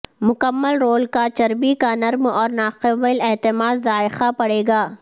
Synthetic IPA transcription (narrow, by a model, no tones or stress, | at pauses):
mʊkɐmːəlɾoːlkat͡ʃɐɾbikanɐɾmɔːɾnaːqɪbəlet̪ɪmaːd̪zaːɪxapɐɽeːɡaː